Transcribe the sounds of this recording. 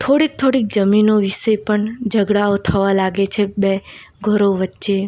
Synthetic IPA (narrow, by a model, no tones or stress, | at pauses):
t̪ʰoɽik̚t̪ʰoɽik̚d͡ʒəminoʋiʃəpəɳd͡ʒəɡɽaot̪ʰəʋalaɡet͡ʃʰebe | ɡʱəɾoʋətːʃe